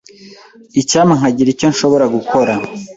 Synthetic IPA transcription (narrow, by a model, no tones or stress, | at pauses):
icaːmaŋ̥aɟiɾico̞ɲʃo̞βo̞ɾaɡukʰo̞ɾa